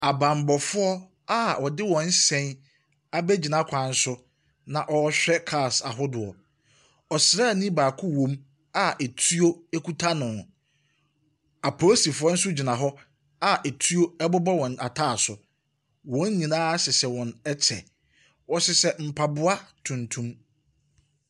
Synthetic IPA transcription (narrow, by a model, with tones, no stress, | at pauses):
a˨bã˨m˨bɔ˨fʊ˦ɔ˦ | a˦wʔɔ˨dɪ˦wɔ̃˨n̩˦sɛ̃˦n | a˨bɛ˦d͡ʑi˨nã˦kʷʰã˨n̩˦sʊ˦ | nã˨ʔɔ˦ɕᶣɛ˦kʰa˦˨sa˨ɦʊ˦dʊ˨ɔ˨ | ɔ˨sɾa˦˨nĩ˦baː˨kʰʊ˦wõ˦m | a˦ʔɛ˨tʰu˦o˦e˦kʰu˦tʰa˦nʊ̃˨ | a˨pʰɔ˨o˦si˨fʊ˨ɔ˦n̩˦sʊ˦d͡ʑi˨nã˨ɦɔ˦ | a˦ʔɛ˨tʰu˦o˦ɛ˦bʊ˦bɔ˦wɔ̃˨n˨a˨tʰaː˦˨sʊ˨ | wɔ̃˨˦n˦ɲĩ˨nãː˦sɪ˨sɛ˨wɔ̃˨nɛ˦t͡ɕʰɛ̰˨ | wɔ˨sɪ˨sɛ˨m̩˨pʰa˨bʊ˦a˦tʰũ˨ntʰũ˦m